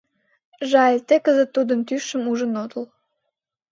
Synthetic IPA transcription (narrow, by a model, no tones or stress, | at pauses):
ʒɑjt̪ekəzət̪ːud̪ənt̪yʃə̆muʒənot̪ə̆l